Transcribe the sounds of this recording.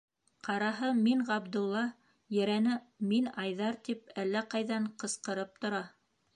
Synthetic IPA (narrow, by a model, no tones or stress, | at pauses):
qɑɾɑɦɤmiɴʁɑbd̪ŭlˠːɑ | jɘ̆ɾænɘ | minɑjðɑɾt̪ipælːæqɑjðɑɴqɤ̆sqɤ̆ɾɤp̚t̪ŏɾɑ